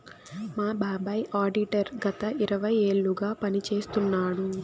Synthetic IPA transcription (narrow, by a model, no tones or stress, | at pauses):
maːbaːbaːjʔaːɖiʈɐɾɡɐt̪ɐʔiɾɐʋɐjeːɭːuɡaːpɐnit͡ʃe̞ːst̪unːaːɽu